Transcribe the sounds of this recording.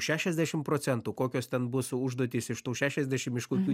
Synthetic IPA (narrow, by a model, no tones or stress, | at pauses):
ʃʲæːʃʲɛzʲd̪ʲæːʃʲɪmpɾoːt̪sʲɛnt̪uːkoːkʲoːst̪ʲɛnbʊsʊʒd̪uɔt̪ʲiːsɪʃt̪uːʃʲæːʃʲɛzʲd̪ʲæʃʲɪmɪʃkoːkʲuː